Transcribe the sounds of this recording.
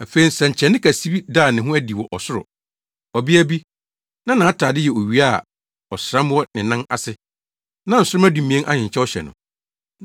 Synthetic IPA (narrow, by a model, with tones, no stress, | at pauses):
æ˨fe˨i˦sɛ̃˨ɲ̩˨t͡ɕʰɛ˨nɪ̃˦kʰæ˨si˦bi˦daː˦˨nɪ̃˨ɦʊ̃˦æ˦di˨wɔ˨ʔɔ˨sʊ˦ɾʊ̰˨ | ɔ˨bi˦æ˦bi˦ | nã˦nãː˨a˦tʰaː˨dɪ˦jɛ˨o˨ɥi˨˦a˦˨ | ɔ˨sɾã˦mwɔ˦nɪ̃˨nã˦a̰˨sɪ˦ | nã˦n̩˨sʊ˦ɾʊ˦mæ˦dũ˨mĩ˨ɛ̃˦ʔa̰˦ɲɪ̃˨ɲ̩˨t͡ɕʰɛ˦ɔ˦ɕɛ̰˨nʊ̰̃˨